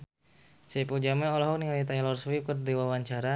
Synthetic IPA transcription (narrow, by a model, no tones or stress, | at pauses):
sɛpud͡ʒamɛɔlɔɦɔk̚niŋalit̪ajlɔrswip̚kərdiwawaɲt͡ʃaɾa